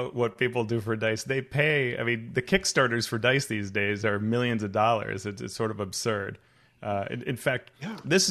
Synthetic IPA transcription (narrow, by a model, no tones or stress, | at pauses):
ʊʔ̚wʌt̚pʰipl̩ˠdɨfə˞daɪsðeɪpʰeɪa̰ɪmĩnðɨkʰɪkstɑɹɾə˞z̥fə˞daɪsðizdeɪzə˞mɪlˠjɨ̃nzʌvdɔlˠə̰˞zɨtsɨ̰tsɔɹɾʌvəb̥sɜ˞d | ʔɨ̰̃ɨ̰̃nfæk̚t̪̚ðɪs